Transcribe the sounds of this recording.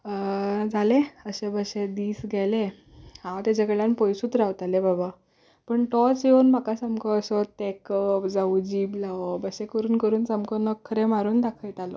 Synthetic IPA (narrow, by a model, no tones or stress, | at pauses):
d͡zʱaleəɕebəɕed̪iːsɡʱɛle | hãwt̪jat͡ɕakəɭjanpɔjsuːt̪ɾawt̪alebaba | pəɳʈɔt͡seonm̤akasamkʰɔəsɔt̪ɛkəpd͡zaud͡ʑiːblaʋɔbəɕẽkəɾuːnkəɾuːnsamkɔnəkʰːəɾemaɾuːnd̪akʰəjʈalɔ̰